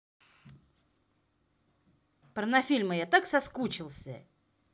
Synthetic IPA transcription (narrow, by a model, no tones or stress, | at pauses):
pɾənɐfʲilʲməjat̪aksɐskut͡ɕɪlˠsʲə̰